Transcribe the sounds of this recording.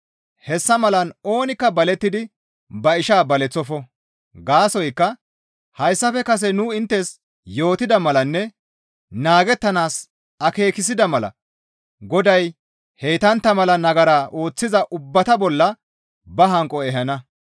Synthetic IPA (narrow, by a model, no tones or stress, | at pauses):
hɛsːɐmɐlɐno̞ːnɪkːɐbɐlɛt̪ːɪd̪ɪ | bɐɪʃaːbɐlɛt͡sːɔfɔ | ɡaːsɔjkːɐ | hɐjsːɐfɛkɐs̬ɛnʊɪnt̪ːɛs | jo̞ːt̪ɪd̪ɐmɐlɐnːɛ | naːɡɛt̪ːɐnaːs | ɐke̞ːkɪs̬ɪd̪ɐmɐlɐ̰ | ɡɔd̪ɐj | hejt̪ɐnt̪ːɐmɐlɐnɐɡɐɾaːʔo̞ːt͡sːɪzɐʔʊbːɐt̪ɐbɔlːɐ | bɐɦɐŋkʼːɔɛɦɐnɐ